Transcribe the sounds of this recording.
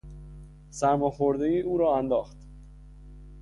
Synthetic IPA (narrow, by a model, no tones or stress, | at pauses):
sæɾmɒːxoɾd̪ejiːuːɾɒːænd̪ɒːxt̪